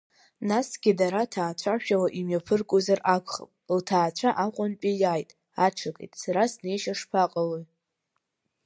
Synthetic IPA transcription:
nasɡʲɪdaɾatʰaːt͡ɕʷʰaʃᶣawaʔimɥapʰɨrkʷʼozarʔakʷʰʼχə̰pʼltʰaːt͡ɕʷʰaʔaqʷʼʊnpʲʼijajtʼ | aʈ͡ʂʰakʼḛjtʼsaɾasne̞jʃaʂpʰaqʼaloj

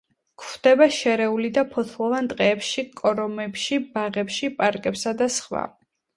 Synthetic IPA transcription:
kʰχd̪̥ɛbaʃɛɾɛulid̪apʰɔt̪ʰlˠɔvant̪ʼqʼɛːpʃikʼɔɾɔmɛpʃibaʁɛpʃipʼaɾkʼɛpsad̪asχwa̰

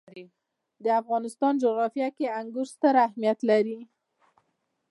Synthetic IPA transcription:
d̪əafɣɑnɪst̪ɑnd͡ʒʊɣɾɑfjakeaŋɡʊɾst̪əɾahmijat̪laɾi

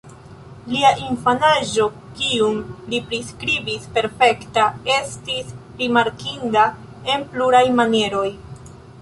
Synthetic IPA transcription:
liaʔinfanaʒo̞ | kiumlipɾiskɾibispe̞ɾfe̞ktae̞stisɾimaɾkinda | e̞npluɾajmanje̞ɾo̞j

